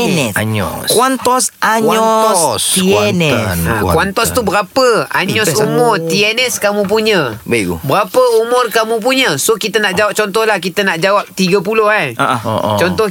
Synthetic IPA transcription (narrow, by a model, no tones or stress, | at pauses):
nɛɲɔ̰kuant̪ɔsakaɔsknɛa̰kuwant̪ɔst̪ubəɾapəa̰ɲɲɔsumʊrt̪iɛnɛskamũp̬uɲə̃baɡṵbəɾapəumʊrkamũp̬uɲəsokit̪ənaʔd͡ʒawap̚t͡ʃɔnt̪ɔhlahkit̪ənaʔd͡ʒawap̚t̪iɡəpulʊhajʔot͡ʃɔnt̪ɔh